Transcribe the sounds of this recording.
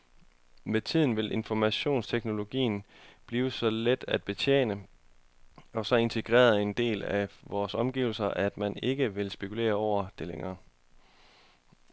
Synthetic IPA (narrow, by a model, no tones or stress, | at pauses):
met͡sʰið̰ˠn̩ʋe̝lʔe̝nfɒmæɕo̝̰ːnst͡sʰeɡ̥no̝lo̝ɡ̥ḭːn̩ | b̥liːʊəsɒ̽led̥æd̥̚b̥e̝t͡ɕʰjḛːnə | ɒ̽sɒ̽e̝nt͡sʰe̝ɡ̥ʁɛ̰ːɐðˠe̝nd̥e̝̰ːlæʋɒːsɒ̽mɡ̥iʊl̩sɐʔæd̥mæne̝ɡ̥əʋe̝lsb̥e̝kʰule̝̰ːɐɒʊ̰ɐd̥e̝leŋɐː